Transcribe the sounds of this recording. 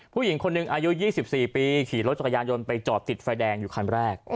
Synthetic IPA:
pʰuː˥˩ji˩˦ŋkʰo˧nːɯ˨ŋʔaː˧ju˦˥jiː˥˩si˨˩p̚siː˨˩piː˧kʰiː˩˦lɾo˦˥t̪̚t͡ɕa˨˩kʰːjaː˧njo˧npa˧jt͡ɕɔː˨˩p̚t̪i˨˩t̪̚faː˧jdɛː˧ŋjuː˨˩kʰa˧nɾɛː˥˩k̚

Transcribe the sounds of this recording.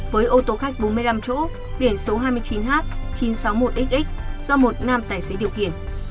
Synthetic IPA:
vəː˨˦jʔo˧t̪o˧xa˦˥k̚ɓo˨˦nmɨ˧əjla˧mt͡ɕo̰˧˥ | ɓi˧˩ənso˨˦ɦaː˧jmɨ˧ət͡ɕi˨˦nɦaː˦˥t̚t͡ɕi˨˦nsa˨˦wmo˨˩t̚ɗi˦˥k̟̚ʔi˦˥k̚z̥ɔ˧mo˨˩t̚naː˧mt̪aː˧˩jse˨˦ɗi˧˩əwxḭ˧˨ən

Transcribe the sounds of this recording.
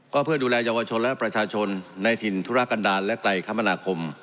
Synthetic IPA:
kɔː˥˩pʰɯ˥˩ɐduː˧lɛː˧jaː˧wa˧t͡ɕʰo˧nlɛ˦˥pɾa˧t͡ɕʰaː˧t͡ɕʰo˧nːa˧jt̪ʰi˧˩nt̪ʰu˦˥ɾa˦˥kːa˧ndaː˧nlɛ˦˥kla˧jkʰa˦˥˩mːa˧naː˧kʰo˧m

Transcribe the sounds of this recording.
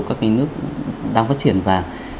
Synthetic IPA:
kaː˦˥k̚ŋa˧˦nɨ˦˥ək̚ɗaː˧ŋfaː˦˥t̚t͡ɕi˧˩ənvaː˨˩

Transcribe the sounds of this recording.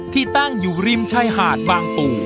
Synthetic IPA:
t̪ʰiː˥˩t̪a˥˩ŋjuː˨˩ɾi˥˩˨mt͡ɕʰa˧˩jɦaː˨˩t̪̚baː˧ŋp̪uː˨˩

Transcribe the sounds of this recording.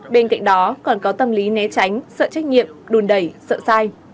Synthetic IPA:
ɓe˧nka̰˧˨jŋ̟̚ɗɔ˨˦kɔ˨˩nkɔ˨˦t̪ə˧mli˨˦nɛ˨˦t͡ɕa˨˦jŋ̟sə̰ː˧˨t͡ɕa˦˥jk̟̚ɲḭ˧˨əmɗu˨˩nɗə˨˧˩jsə̰ː˧˨saː˧j

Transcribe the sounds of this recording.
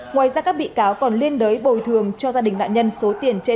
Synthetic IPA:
ŋwaː˨˩jzaː˧kaː˦˥k̚ɓḭ˧˨kaː˨˦wkɔ˨˩nli˧ənɗəː˨˦jɓo˨˩jt̪ʰɨ˨˩əŋt͡ɕɔ˧zaː˧ɗï˨˩ŋ̟ɗa̰ː˧˨ɲə˧nso˨˦t̪i˨˩ənt͡ɕe˧

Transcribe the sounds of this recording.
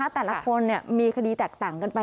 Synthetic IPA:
a˦˥˩t̪ɛː˨˩la˦˧˥kʰo˧nːi˥˩ɐmiː˧kʰdiː˧t̪ɛː˨˩k̚t̪aː˨˩ŋka˧npa˧

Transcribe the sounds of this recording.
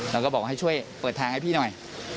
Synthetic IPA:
ɾa˧kɔː˥˩bɔː˨˩k̚ha˥˩jt͡ɕʰu˥˩əjpɤː˨˩t̪ʰːaː˧ŋha˥˩jpʰiː˥˩nɔ˨˩j

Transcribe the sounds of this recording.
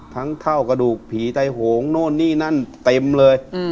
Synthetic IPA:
t̪ʰa˦˥ŋt̪ʰa˥˩wka˧duː˨˩k̚pʰiː˨˩˦t̪a˧jɦoː˩˦ŋnoː˥˩nːiː˥˩na˧˥˩nt̪e˧mlɤː˧j

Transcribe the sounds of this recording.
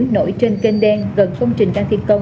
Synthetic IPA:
ŋno̰˧˥jt͡ɕe˧nke˧nɗɛ˧nɣə˨˩nkə˧wŋ͡mt͡ɕï˨˩ŋ̟kaː˧nt̪ʰi˧ənkə˧wŋ͡m

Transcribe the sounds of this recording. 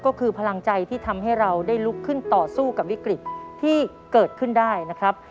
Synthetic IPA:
kɔː˥˩kʰɯː˧pʰa˧la˧ŋt͡ɕa˧jt̪ʰiː˥˩t̪ʰa˧mɦa˥˩jɾa˧wdaː˥˩jlu˦˥kʰːɯ˥˩nt̪ɔː˨˩suː˥˩ka˨˩p̚wi˦˥kɾi˨˩t̪̚t̪ʰːiː˥˩ | kɤː˨˩t̪̚kʰɯ˥˩ndaː˥˩jna˦˥kʰɾa˦˥p̚

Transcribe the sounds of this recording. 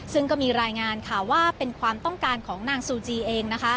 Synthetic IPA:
sɯ˥ŋkɔː˥˩miː˧ɾaː˧jŋaː˧nkʰa˥˩waː˥˩pe˧nkʰwaː˧mt̪ɔ˥˩ŋkaː˧nkʰɔː˩˦ŋnaː˧ŋsuː˧t͡ɕiː˧ʔeː˧ŋna˦˥kʰa˦˥

